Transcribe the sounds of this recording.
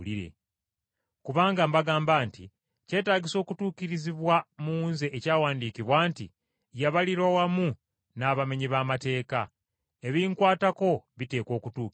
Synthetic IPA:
liɾe̞̰ | kuβaːŋɡambaɡaːmbaːnti | ce̞ːtaːɟiso̞ːkutuːkiɾiziβwamunze̞ʔecaːwaːndiːkiβwaːntḭ | jaβaliɾwawamu | naːβame̞ɲiβamate̞ːka | e̞βiːŋkwaːtako̞βite̞ːko̞ːkutuː

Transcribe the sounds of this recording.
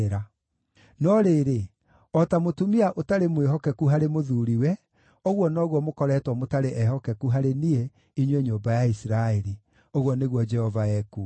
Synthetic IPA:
ɾa | nɔɾeːɾe | ɔtamotumiaʔotaɾemweɦɔkɛkuɦaɾemoðuːɾiwɛ | oɣwɔnɔːɣwɔmokɔɾɛtwɔmotaɾeʔɛɦɔkɛkuɦaɾeniɛ | iɲwɛɲoːmbajaisiɾaeɾi | oɣwɔneɣwɔd͡ʒɛhɔvaɛku

